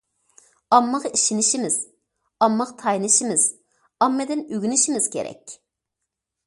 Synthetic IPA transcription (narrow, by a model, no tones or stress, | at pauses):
ɑmːəʁiʃinɪʃimɪz̥ | ɑmːɑqt̪ʰɑjnɨʃimɪz̥ | ɑmːɨd̪ɪnyɡʲynɪʃimɪz̥kʲʰḛɾɛ̰kʲ